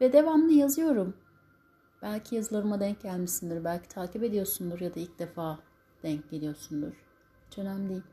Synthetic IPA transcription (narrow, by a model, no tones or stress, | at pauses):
vɛd̪e̞vamnˠɯjazɯjo̞ɾum | b̥ælʲcʰijazɯlˠaɾɯmad̪ɛɲcɟælʲmisind̪iɾbælʲcʰit̪ʰaːcipe̞d̪ijo̞ɾsund̪uɾjad̪ailʲc̚d̪e̞faː | d̪̥ɛɲc̚ɟe̞lʲijo̞ɾsund̪uɾ̥ | hit͡ʃʰø̞næmlʲijilʲ